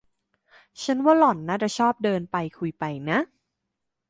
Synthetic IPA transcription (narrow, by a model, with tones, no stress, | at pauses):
t͡ɕʰa˦˥nwaː˥˩lɔ˨˩nːaː˥˩t͡ɕa˨˩t͡ɕʰɔː˥˩p̚dɤː˧npa˧jkʰu˧jpa˧jna˦˥ʔ